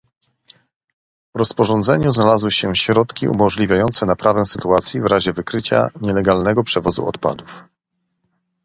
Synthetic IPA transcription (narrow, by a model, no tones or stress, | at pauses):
vɾɔspɔʐɔnd̪zɛɲuznalazwɘɕɛɕɾɔt̪kʲiṵmɔʐlʲivʲjajɔnt̪sɛnapɾʔavɛw̃sɘt̪uat̪sʲjivɾaʑɛvɘkɾɘt͡ɕa̰ɲɛlɛɡalnɛɡɔpʂɛvɔzṵɔ̰t̪pa̰d̪uf